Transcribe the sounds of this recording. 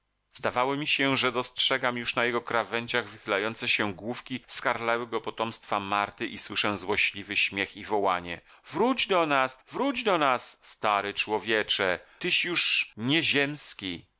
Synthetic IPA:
zd̪avawɔmʲiɕɛʐɛd̪ɔstʂɛɡamjuʂnajɛɡɔkɾavɛɲd͡ʑaɣvɘxɘlajɔnt̪sɛɕɛɡwufkʲiskaɾlɛwɘɡɔpɔt̪ɔmst̪famaɾt̪ɘʔiswɘʂɛ̃zwɔɕlʲivɘɕmʲjɛxivɔwaɲɛ̰ | vɾud͡ʑd̪ɔnasvɾud͡ʑd̪ɔnassːt̪aɾɛt͡ʂwɔvʲjɛt͡ʂɛt̪ɘɕjuʂɲɛʑɛmskʲi

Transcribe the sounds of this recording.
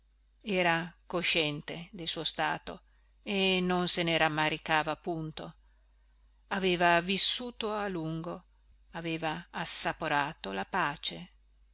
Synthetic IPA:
ɛːɾakoʃɛnt̪ed̪elsuːost̪aːt̪o | enːonseneɾamːaɾikaːvapunt̪o | aveːvavisːuːt̪oaluŋɡo | aveːvaːsːapoɾaːt̪olapaːt͡ʃe

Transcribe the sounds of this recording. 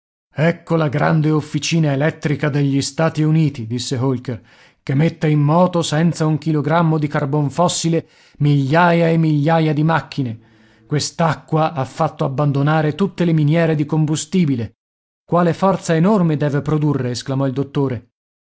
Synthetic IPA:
ɛkːolaɡɾa̰nd̪eofːit͡ʃiːnaelɛt̪ːɾikad̪eʎːist̪aːt̪iuniːt̪id̪isːeɦolker | kemːet̪ːeimːɔːt̪osɛnt̪sauŋk̟iloɡɾamːod̪ikarboɱfɔsːile | miʎːaːjaemːiʎːaːjad̪imakːine | kwest̪akːwaʔafːat̪ːoabːand̪onaːɾet̪ut̪ːeleminjɛːɾed̪ikombust̪iːbile | kwaːlefɔrt̪saenormed̪ɛːvepɾod̪urːeːsklamɔild̪ot̪ːoːɾe

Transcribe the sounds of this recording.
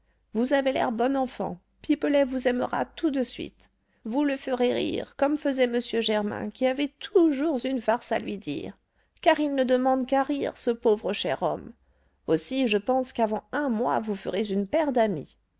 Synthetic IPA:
vuzavelɛ̰ʁbɔnɑ̃fɑ̰̃ | pipəlɛvuzɛməʁa̰t̪ud̪əsɥḭt̪ | vuləfəʁeʁḭʁkɔmfəzɛməsjøʒɛʁmɛ̰̃kʲiavɛt̪ʰuʒuʁzynfaʁsa̰lɥid̪ḭːʁ | kaʁilnəd̪əmɑ̃d̪kaʁiʁsəpovʁəʃɛ̰ʁɔ̰m | osiʒəpɑ̃skavɑ̃ɛ̃mwa̰vufə̰ʁezynpɛʁd̪amḭ

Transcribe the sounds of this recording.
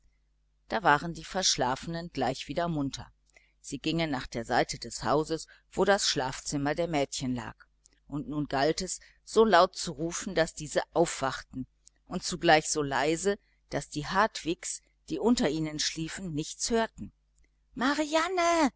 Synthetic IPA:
d̥aːvaːʁəndiːfɛɐʃlaːfənənɡlaɪçv̥iːdɐmʊntʰɐ̰ | z̥iːɡɪŋənːaːχd̥eːɐzaɪtʰədɛsha̰ʊzəs | v̥oːɾasʃlaːft͡sɪmɐdeːɐmɛːtçənla̰ːk | ʔʊntnuːnɡaltɛs | z̥oːlaʊt̚t͡suʁuːfn̩dasd̥iːzəʔaʊfv̥aχtn̩ | ʔʊnt̚t͡suɡlaɪçz̥oːlaɪzə | d̥asd̥iːhaɐtv̥ɪks | d̥iːʔʊntɐʔiːnənʃliːfn̩nɪçt͡shøːɐtn̩ | maʁianə

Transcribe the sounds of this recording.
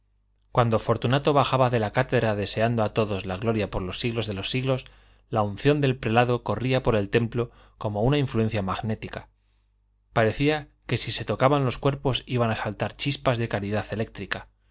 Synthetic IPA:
kwand̪ofo̞ɾt̪unat̪o̞βaxaβaðe̞lakat̪e̞ðɾaðe̞se̞and̪o̞at̪o̞ðo̞zlaɣlo̞ɾjapoɾlo̞sːiɣlo̞zðe̞lo̞sːiɣlo̞s | laun̟θjo̞nd̪e̞lpɾe̞laðo̞ko̞riapo̞ɾe̞lt̪e̞mplo̞ | komo̞unaiɱflue̞n̟θjamaɣne̞t̪ika | paɾe̞θiake̞sise̞t̪o̞kaβanlo̞skwe̞ɾpo̞siβ̞anasalt̪aɾt͡ʃispazðe̞kaɾiðaθe̞le̞k̚t̪ɾika

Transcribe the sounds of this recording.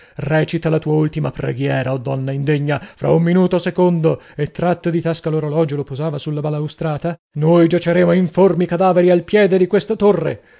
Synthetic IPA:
rɛːt͡ʃit̪alat̪uːault̪imapɾḛɡjɛːɾaɔd̪ːɔnːaind̪eɲːafɾʔa̰umːinuːt̪osekond̪o | et̪ːɾat̪ːod̪it̪askaloɾolɔːd͡ʒolopozaːvasulːabalːaust̪ɾaːt̪a | nojd͡ʒat͡ʃeɾeːmoiɱformikad̪aːveɾialpjɛːd̪ed̪ikwest̪at̪orːḛ

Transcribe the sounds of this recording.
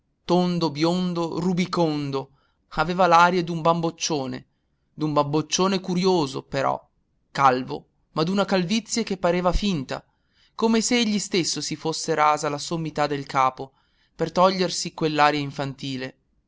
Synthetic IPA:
t̪ond̪objond̪orubikond̪o | aveːvalaːɾjad̪umbambot͡ʃːoːnḛ | d̪umbambot͡ʃːoːnekuɾjoːzo̰peɾɔ̰ | kalvo̰ | mad̪unakalvit̪sːjak̟epːaɾeːvafint̪a̰ | komeseeʎːist̪esːosifosːeɾaːzalasomːit̪ad̪ːelkaːpo | pert̪ɔʎːersikwelːaːɾjaiɱfant̪iːle

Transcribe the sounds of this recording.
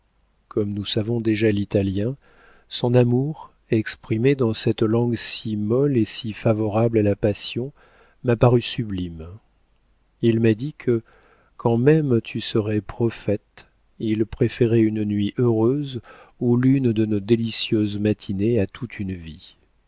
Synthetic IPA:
kʰɔmnusavɔ̃d̪eʒalit̪aljɛ̃ | sɔ̃namuʁ | ɛkspχimed̪ɑ̃sɛt̪lɑ̃ɡsimɔlesifavɔʁablalapasjɔ̃ | mapaʁysyblim | ilmad̪ikʰə | kʰɑ̃mɛmt̪ʰysəʁɛpχɔfɛt̪ | ilpχefeʁɛynnɥiʔøʁøzulynd̪ənod̪elisjøzmat̪ʰineat̪ʰut̪ʰynvi

